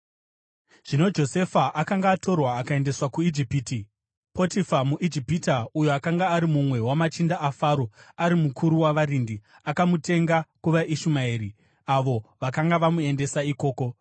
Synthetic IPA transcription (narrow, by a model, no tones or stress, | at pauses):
ʐ̥ino̞d͡ʒo̞se̞faʔakaŋɡaːto̞rwaːkae̞nde̞swakuid͡ʒipiti | po̞tifamuʔid͡ʒipitaujoakaŋɡaːɾimumwe̞wamat͡ʃindaʔːfaːɾo̞aɾimukʰuɾuwaʋaɾindi | akamute̞ŋɡakuʋaʔiʃumaiːɾi | aʋo̞ʋakaŋɡaʋamue̞nde̞saiko̞ːko̞